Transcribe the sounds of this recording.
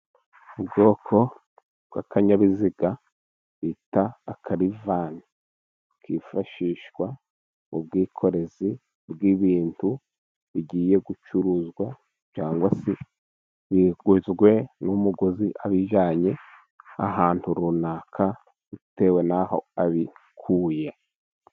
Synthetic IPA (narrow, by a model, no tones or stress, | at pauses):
ubɡo̞ːkʰo̞ | bɡakʰaɲaβiziɡa | βitaːkʰaɾivaːni | kʰifaʃiːʃɡwa | ub̚ɡiːkʰo̞ɾe̞zi | bɡiβiːntʰu | βiɟiːje̞ɡut͡ʃuɾuzɡwa | t͡ʃaːŋɡwasi | βiɡuzɡwe̞numuɡoziʔaβiʒaːɲe̞ | a̰ɦaːntuɾunakʰa | ute̞ːwe̞naho̞̰aβikʰuːja